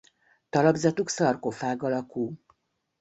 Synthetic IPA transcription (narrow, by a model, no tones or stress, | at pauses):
t̪ɒlɒbzɒt̪uksɒrkofaːɡɒlɒkuː